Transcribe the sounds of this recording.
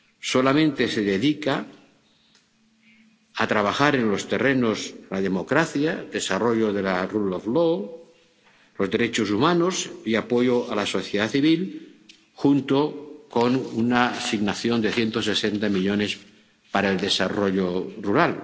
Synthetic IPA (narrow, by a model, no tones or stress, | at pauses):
so̞lamẽnt̪e̞se̞ðe̞ðika | at̪ɾaβ̞axaɾe̞nlo̞st̪e̞re̞no̞slaðe̞mo̞kɾaθjad̪e̞saro̞ʎoðe̞laruloflo | lo̞zðe̞ɾet͡ʃosumanosiapo̞joalaso̞θjeðaθiβ̞il | xunt̪okonunasiɣnaθjo̞nd̪e̞θje̞nt̪ose̞se̞nt̪amiʎo̞ne̞s | paɾaeld̪e̞saro̞ʎoruɾal